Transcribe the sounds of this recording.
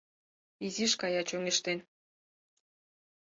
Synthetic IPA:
iziʃkɑjɑt͡ɕoŋeʃt̪en

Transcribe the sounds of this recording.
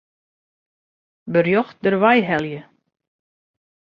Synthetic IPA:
bərjɔxt̚dərʋajɦɛlˠjə

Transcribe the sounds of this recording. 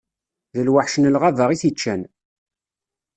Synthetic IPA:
ðəlwaħʃənəlʁavəʁiθit͡ʃːæn

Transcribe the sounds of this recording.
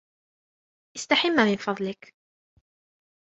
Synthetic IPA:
ʔɪst̪aħɪmːamɪnfɑd̪ˤlɪk

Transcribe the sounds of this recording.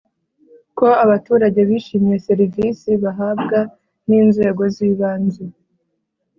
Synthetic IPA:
ko̞aβatuːɾaɟeβiːʃiːmije̞se̞ɾivisiβaɦabɡa | niːnze̞ːɡo̞ziːβaːnze

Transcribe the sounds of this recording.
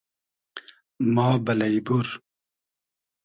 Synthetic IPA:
mɑːbɐlɐjbuɾ

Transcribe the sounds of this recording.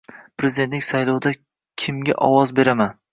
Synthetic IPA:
pɾezɪd̪e̞nt̪lɪkʲsajlˠɒwd̪a | kʲʰɪmɡʲa̰ʔɒwɒzbe̞ɾaman

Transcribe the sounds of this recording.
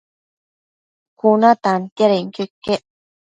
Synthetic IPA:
kʰunat̪ant̪eɾeŋkøkːeʔ

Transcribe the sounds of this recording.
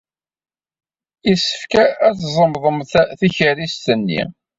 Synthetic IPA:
isə̥fkææt͡szˤəmðˤəmθθiçəɾist̪ənːḭ

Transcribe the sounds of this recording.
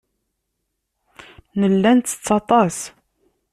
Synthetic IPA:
nəlːænt̪ːə̥t͡sːɑt̪ˤɑs

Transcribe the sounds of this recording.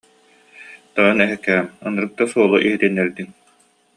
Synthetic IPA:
t̪ɔjɔnɛɦɛkːɛːmɔnɯɾɯk̚t̪ːasuɔlˠuʔiɦit̪inːɛɾd̪iŋ

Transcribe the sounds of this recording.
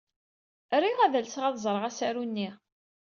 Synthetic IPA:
ɾiʁæðəlsʁæðzˤɾˤʁæsæɾunːi

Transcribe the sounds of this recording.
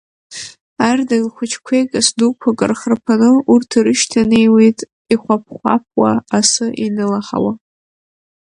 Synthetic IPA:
ardalχʷʊt͡ʃʰkʷʰejkʼasdukʷʰakʼɨrχərpʰanɨurtʰiɾɨʃtʰanejwejtʼ | iχʷap̚ʰχʷa̰p̚ʰwaasɨʔinɨlaχa̰wa

